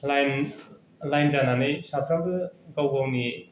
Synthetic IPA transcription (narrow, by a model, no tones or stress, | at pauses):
lajn | lajnd͡ʒananɯjsapʰɾaŋɡɯɡawɡawni